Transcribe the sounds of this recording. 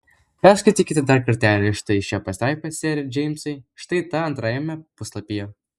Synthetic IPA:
pʲæːɾskɐɪt̪ʲiːkʲɪt̪ʲɪd̪ɐɾkɐɾʲt̪ʲæːlʲɪʃt̪ɐɪʃʲɛpɐsʲt̪ɑɪpʲɐsʲɛːɾʲɪd͡ʒʲɛɪmʲsɐɪʃt̪ɐɪt̪ɐɐnt̪ɾɑjɛmʲɛpʊslˠɐpʲijo

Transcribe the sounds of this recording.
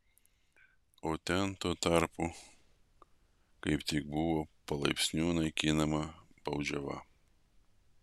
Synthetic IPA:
oːt̪ʲɛnt̪oːt̪ɐˑɾpu | kɐɪpt̪ʲɪk̚bʊʋoːpɐlˠɐɪpʲsʲnʲuːnɐɪkʲinɐmɐb̥ɐʊd͡ʒʲɛʋɐ

